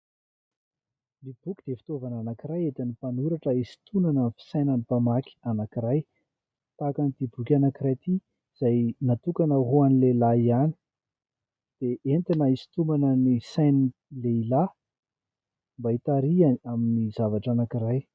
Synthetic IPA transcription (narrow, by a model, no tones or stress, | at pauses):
nib̥ukʲi̥d̪̥efi̥t̪ovananakiɾajet̪anipanuɾaʈ͡ʂəisi̥t̪unanənfi̥sajnanipamakʲi̥anakiɾaj | t̪akanit̪ibukʲanakiɾajt̪i | z̥ajnat̪ukanəɦoanilelaiani̥ | d̪̥eʔent̪inaisi̥t̪umanənisajnileila | mbait̪aɾiaaminizavaʈ͡ʂanakiɾaj